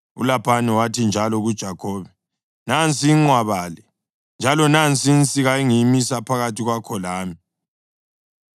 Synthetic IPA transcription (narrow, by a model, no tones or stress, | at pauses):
ṵlapʰanɛwatʰind͡ʒʱalɔɣud̥ʒ̥ʱakʰɔːβɛ | nant͡sʼiŋ͡ǀwaβaːlɛ | nd͡ʒʱalɔnant͡sʼint͡sʼiɣaiŋimisapʰaɣatʰiɣwakʰɔlaːmi